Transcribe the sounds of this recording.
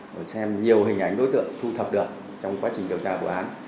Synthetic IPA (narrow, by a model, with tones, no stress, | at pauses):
ʔəː˧˩jsɛ˧mɲi˨˩əwɦï˨˩ŋ̟ʔa˧˩jŋ̟ɗo˨˦jt̪ɨ̰˧˨əŋt̪ʰu˧t̪ʰə˨˩p̚ɗɨ˨˩ək̚ | t͡ɕɔ˧wŋ͡mkwaː˨˦t͡ɕï̟˩ɗi˨˩əwt͡ɕaː˧ku˧˩ʔaː˨˦n